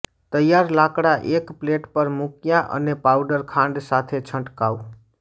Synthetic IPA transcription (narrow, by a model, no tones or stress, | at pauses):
t̪əjːaɾlakɽaʔekpleʈpəɾmukjaʔə̰nːepawɖəɾkʰãɳɖsat̪ʰet͡ʃʰəɳʈkau